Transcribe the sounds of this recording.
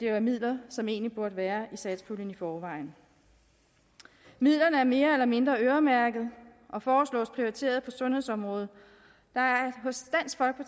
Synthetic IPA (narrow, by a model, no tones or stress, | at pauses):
d̥e̝ʋæmið̞̰ˠlɐsɒ̽me̝ːnlib̥uɐd̥əʋæːɐisɛd̥sfulən̩ifɒːʋɑ̈ɪn̩ | mið̰ˠlɐnəæɐme̝ːɐelɐme̝nd̥ʁɐøɐmæɐɡ̥ð̞̩ˠʔɒ̽fɒːslɔ̰̽ːspʰʁioʁit͡sʰe̝̰ːɐð̞̩ˠpʰɒ̽sɔ̽nhe̝ðˠsɒ̽mʁɔ̽ːð̞̩ˠ | d̥ɑ̈æɐɦɔ̽sd̥æn̰sɡ̥fɒlɡ̥̚pʰɒ̽